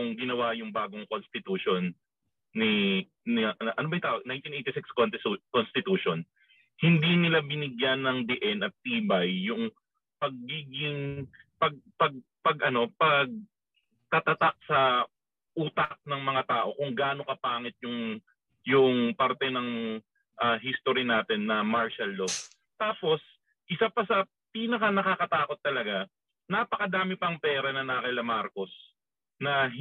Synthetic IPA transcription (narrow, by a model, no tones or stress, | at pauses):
ʊŋɡɪnɐwajʊŋbaːɡoŋkonst̪ɪt̪uːʃonː | i | nɪʔʔɐnobɐjʊŋt̪aːʔoɡnajnt̪inejt̪ɪsɪkskont̪ɪukonst̪ɪt̪uːʃon | hɪnd̪inɪlabɪnɪɡjanːɐŋd̪ɛʔɛnɐt̪ːiːbɐjːʊŋ | pɐɡ̚ːiːɡɪŋpɐɡ̚pɐɡ̚ | pɐɡʔɐno̞pɐɡ̚ | t̪at̪ɐt̪ak̚sɐ | ʔuːt̪ɐk̚nɐŋmɐŋat̪aːʔo̞kʊŋɡaːno̞kɐpaːŋɪt̪̚jʊŋ | jʊŋpaɾt̪ɛnɐŋ | ʔaɦist̪oɾinaːt̪ɛnːɐmaɹʃɐlːo | t̪aːpo̞s | ʔɪsapɐsɐ | piːnɐkɐnɐkakɐt̪aːko̞t̪ːɐlɐɡa | napɐkɐd̪aːmɪpɐŋpɛːɾɐnɐnaːkɐjlɐmaɾko̞s | nɐ